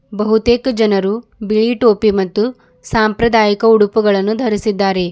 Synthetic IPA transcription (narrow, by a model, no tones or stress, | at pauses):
bɐɦut̪eːkɐd͡ʒɐnɐɾubiɭiʈoːpimɐt̪ːu | saːmpɾɐd̪aːjikɐuɽupuɡɐɭɐnːud̪ʱɐɾisid̪ːaːɾe̞